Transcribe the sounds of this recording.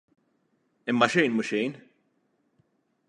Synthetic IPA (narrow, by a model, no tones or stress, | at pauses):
ɪmːɐʃɛjnmʊʃɛjn